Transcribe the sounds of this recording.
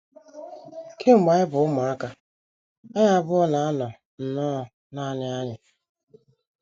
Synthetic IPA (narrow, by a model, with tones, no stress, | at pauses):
kʰe˦m̩˨ma˨ɪ˦bʊ˨ʊ˦ma˨a˦ka˦ | a˦ɲa˦˨bʊ˦ɔ˦na˨a˦nɔ˨ | n̩˨nɔː˦˨ | na˦nɪ˦a˦ɲɪ˨